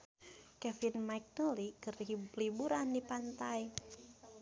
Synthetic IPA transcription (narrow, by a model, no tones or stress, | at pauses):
kɛfinmajk̚nolikərlibuɾandipant̪aj